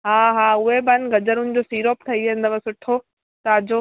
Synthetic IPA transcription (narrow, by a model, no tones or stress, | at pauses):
ɦaːɦaːʊɦebɐnɡɐd͡ʑəɾʊnɪd͡ʑoːsiːɾoːp̚t̪ʰɐiẽn̆d̪əʋɐsʊʈʰo | t̪ɐɐd͡ʑo